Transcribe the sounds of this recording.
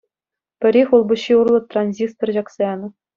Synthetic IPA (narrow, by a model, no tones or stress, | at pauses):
pʲɘ̆ɾʲexʲulˠbŭɕːiurlˠɤ̆t̪rɑnʲzʲist̪orʑɑksɑjɑnɤ̆